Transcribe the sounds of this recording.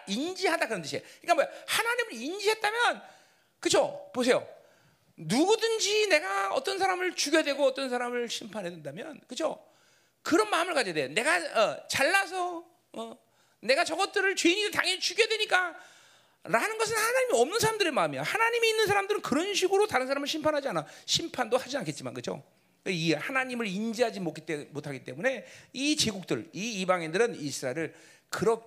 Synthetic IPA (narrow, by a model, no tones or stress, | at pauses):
ind͡ʑiɦadakɯɾʌnt͈ʰɯɕiḛik͈amojahanaɲimɯɾind͡ʑiɦet̚t͈amjʌn | kɯt͡ɕʰopos̬ʰe̞jo̰ | nuɡudɯnd͡ʑine̞ɡaʌ̰t͈ʌnsʰaɾamɯɭt͡ɕuɡjedwe̞ɡoʌt͈ʌnsʰaɾamɯɭɕʰimpʰanɦe̞dwendamjʌ̰nkɯt͡ɕʰo | kɯɾʌnmaɯmɯɭkad͡ʑʌdwejone̞ɡaʌt͡ɕaɭːas̬ʰʌ | ʌ | ne̞ɡat͡ɕʌɡʌt͈ɯɾɯɭt͡ɕweiɲiɡetaŋet͡ɕuɡedwe̞ɲik͈a | ɾanɯnɡʌs̬ʰɯnhanaɲimiʌmnɯnsʰaɾamndɯɾe̞maɯmijohanaɲimiːnːɯnsʰaɾamdɯɾɯnkɯɾʌnɕ̬ʰiɡɯɾotaɾɯnsʰaɾamɯɭɕʰimpʰanɦad͡ʑianaɕʰimpʰandohad͡ʑiankʰet̚t͡ɕima̰nkɯd͡ʑʰo̰ | k͈aihanaɲimɯɾind͡ʑiɦad͡ʑimok͈it͈emotʰaɡit͈e̞mune̞it͡ɕeɡuk̚t͈ɯ̰ɭiibaŋendɯɾɯnisʰɯɾaeɾɯɭ | kɯɾʌ